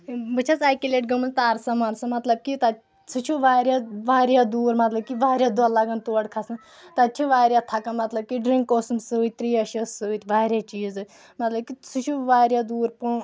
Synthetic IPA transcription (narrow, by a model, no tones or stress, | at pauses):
bɨt͡ʃʰɐsaːjkʲileːʈ̚ɡɐmɨnt̪aːɾsɐmɐɾsɐmɐt̪lɐb̚kit̪ɐ | t͡sʰut͡ʃʰuʋaːɾʲjaʋaːɾjad̪uːɾmɐt̪lɐb̚kiʋaːɾjad̪uɐlaɡɐnt̪uːɽkʰasɨ̃ | t̪ɐt̪t͡ʃʰuʋaːɾʲjaːt̪ʰɐkɐnmɐt̪lɐb̚kiɖɾĩŋkoːsumsɨt̪ɾiːɐʃɐsɨt̪ʲʋaːɾʲjat͡ʃiːzɨ | mɐt̪lɐb̚kit͡sʰut͡ʃʰuʋaːɾʲjad̪uːɾpu